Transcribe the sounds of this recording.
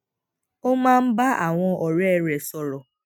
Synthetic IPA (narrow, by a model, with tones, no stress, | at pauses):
o˦ma˦m̩˦ba˦ʔa˨ŋʷɔ˦ʔɔ˨ɾe˦ɾe˨sɔ˦ɾɔ˨